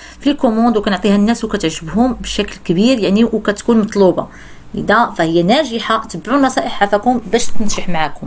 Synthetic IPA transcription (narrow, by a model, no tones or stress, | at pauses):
filkomɑ̃d̪wkænʊʕt̪ˤihænːæswkæt̪əʕʒəbɦʊmbəʃæklkəbiɾjaʕniwkæt̪kunmɑt̪ˤlubɑ̰ | ʔə̰d̪æfæhəjːænæʒəħat̪əbʕulmæsˤæʔəħæfækʊmbæʃt̪ənʒəħmaʕækʊm